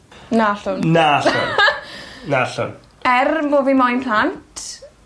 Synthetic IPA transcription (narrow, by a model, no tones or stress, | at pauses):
naɬʊnnaɬʊ̰n | naɬʊ̰n | ɛrmovimajnpʰlantʰ